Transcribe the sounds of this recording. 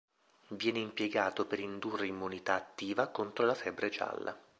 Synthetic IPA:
vjɛːneimpjeɡaːt̪opeɾind̪urːeimːunit̪aːt̪ːiːvakont̪ɾolafɛbɾet͡ʃa̰lːa̰

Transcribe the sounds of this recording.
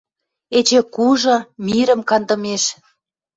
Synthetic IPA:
et͡ɕekuʒɤ̆miɾə̆mkɑnd̪ə̆meʃ

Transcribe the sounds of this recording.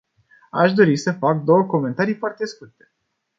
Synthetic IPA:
a̰ʃd̪o̞ɾisəfak̚d̪o̞wəko̞me̞nt̪aɾijfoart̪e̞skurt̪e̞̥

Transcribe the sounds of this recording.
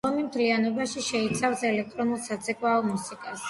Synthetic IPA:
ɔmimt̪ʰlianɔbaʃiʃɛit̪sʰafsɛlɛk̚t̪ʼɾɔnulˠsat̪zʰʼɛkʼwaɔmusikʼas

